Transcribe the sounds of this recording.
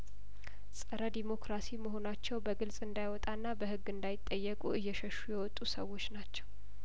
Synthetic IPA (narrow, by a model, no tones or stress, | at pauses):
sʼəɾəd̪imo̞kɾasiməɦo̞nat͡ʃːɛwbəɡɨlsʼɨnd̪ajwɔt̪ʼanːabəhɨɡːɨnd̪ajɪt̪ʼːəjːɛkʼuɨjːɛʃəʃːujɛwɔt̪ʼːusəwo̞t͡ʃːnat͡ʃːɛ̥w